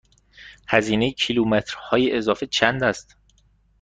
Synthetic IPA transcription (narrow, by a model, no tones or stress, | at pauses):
hæziːnejecʰilumet̪ʰɾhɒːjeʔezɒːfet͡ʃʰænd̪æst̪